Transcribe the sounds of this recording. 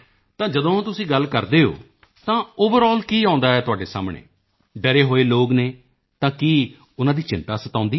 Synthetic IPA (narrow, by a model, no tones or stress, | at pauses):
t̪ãːd͡ʒəd̪õːt̪ʊsĩːɡəlkəɾd̪eːɦo̰ː | t̪ãːoːʋəɾɔːlkiːãːʊ̃nd̪aːɛːt̪ʊaːɖeːsa̰ːmɳḛː | ɖəɾeːɦoːeːloːɡneː | t̪ãːkiː | ʊnãːd̪iːt͡ʃɪ̃nt̪aːsət̪ãːʊnd̪iː